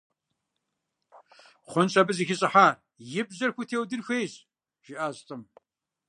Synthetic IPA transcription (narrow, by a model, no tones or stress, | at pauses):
χʷʊnɕʰʼɐbɨzixɪɕʼɨħaːr | jɪbzɐrxʷutʰeːwdɨrxʷejɕ | ʒ̥ɪʔaːɕtʼɨm